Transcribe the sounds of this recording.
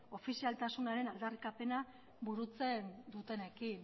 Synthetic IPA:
o̞fisialt̪asunaɾe̞nald̪arikape̞na | buɾut͡se̞nd̪ut̪e̞ne̞kin

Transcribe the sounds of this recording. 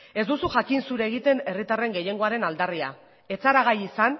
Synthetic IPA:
e̞zd̪usuʝakinsuɾe̞ːɣ̞it̪e̞ne̞rit̪are̞ŋɡe̞je̞ŋɡo̞aɾe̞nald̪aria̰ | e̞t͡saɾaɣ̞ajisan

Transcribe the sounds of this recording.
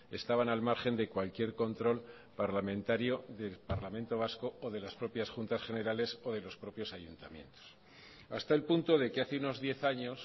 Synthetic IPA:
e̞st̪aβ̞analmaɾχe̞nd̪e̞kwalkje̞ɾko̞nt̪ɾo̞l | paɾlamẽnt̪aɾjo̞ðe̞lpaɾlamẽnt̪o̞β̞asko̞ːðe̞laspɾo̞pjasxunt̪asxe̞ne̞ɾale̞so̞ð̞e̞lo̞spɾo̞pjo̞saʝunt̪amjẽ̞̰nt̪o̥s | a̰st̪aelpunt̪o̞ðe̞keaθeuno̞zðje̞θaɲo̞s

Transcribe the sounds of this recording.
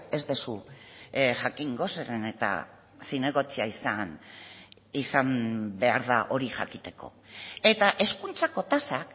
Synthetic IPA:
e̞zðesu | ʝakiŋɡo̞seɾene̞t̪a̰ | sine̞ɣo̞t͡siaisan | isambe̞aɾðaʔo̞ɾiʝa̰kit̪e̞ko̞̰ | e̞t̪aʔe̞skunt͡sako̞t̪asak

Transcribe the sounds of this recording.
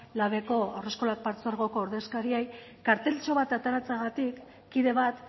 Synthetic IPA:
laβe̞ko̞ore̞sko̞lak̚paɾt͡soaɾɣo̞ko̞ːɾðe̞skaɾiej | kaɾt̪e̞lt͡ʃo̞βat̪at̪aɾat͡saɣat̪ikː | iðe̞βat̪

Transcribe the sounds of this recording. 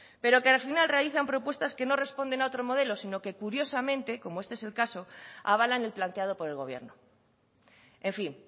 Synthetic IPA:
pe̞ɾo̞kealfinalre̞aliθampɾopwe̞st̪aske̞no̞re̞spo̞nd̪e̞nao̞t̪ɾomo̞ð̞e̞lo̞sino̞ke̞kuɾjo̞samẽnt̪eko̞moest̪eselkaso̞a̰β̞alane̞lplant̪eað̞opo̞ɾe̞lɣ̞o̞̰β̞je̞̰ɾno | ẽɱfiŋ

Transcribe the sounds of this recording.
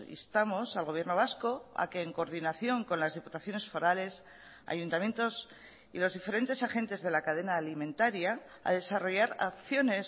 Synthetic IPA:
ḭst̪amo̞salɣo̞βje̞ɾno̞β̞asko̞a̰ke̞ːŋko̞ɾðinaθjo̞ŋko̞nlazðiput̪aθjo̞ne̞sfo̞ɾale̞s | a̰junt̪amje̞nt̪o̞s | ḭlo̞zðifeɾe̞nt̪e̞saxẽ̞nt̪e̞zðe̞lakaðe̞naːlimẽ̞nt̪aɾja | a̰ðe̞saro̞ʝaɾa̰kθjo̞ne̞s

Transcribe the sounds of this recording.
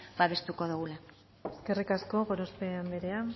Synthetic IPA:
baβe̞st̪uko̞ðuɣula | eske̞rikasko̞ɣo̞ɾospeambe̞ɾe̞a

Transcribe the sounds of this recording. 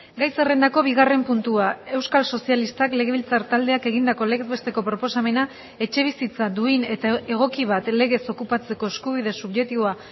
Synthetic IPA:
ɡajse̞re̞nd̪ako̞βiɣare̞mpunt̪uae̞wskalso̞sialist̪akle̞ɣe̞βilt͡saɾt̪ald̪e̞ake̞ɣind̪ako̞le̞ɣe̞zβe̞st̪e̞ko̞pɾo̞po̞same̞na | e̞t͡ʃe̞β̞isit͡sad̪uine̞t̪ae̞ɣ̞o̞kiβat̪le̞ɣe̞so̞kupat͡se̞ko̞eskuβ̞iðe̞suβʝek̚t̪iβoa

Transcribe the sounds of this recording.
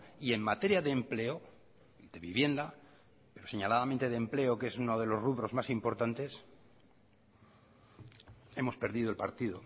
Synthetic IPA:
ie̞ŋmat̪e̞ɾjaðe̞ːmple̞o | iðe̞βiβje̞nd̪a | pe̞ɾo̞se̞ɲalaðament̪e̞ðemple̞oke̞sunoð̞e̞lo̞zruβɾo̞zmasimpo̞ɾt̪ant̪e̞s | e̞mo̞spe̞ɾðiðoe̞lpaɾt̪iðo̞

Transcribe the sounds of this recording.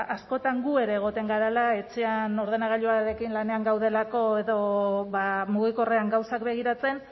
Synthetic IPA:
asko̞t̪aŋɡue̞ɾe̞ːɣ̞o̞t̪e̞ŋɡaɾalae̞t͡se̞ano̞ɾðe̞naɣ̞aʎuaɾe̞kinlane̞aŋɡawðe̞lako̞e̞ðo̞βamuɣ̞iko̞re̞aŋɡawsakbe̞ɣ̞iɾat͡se̞n

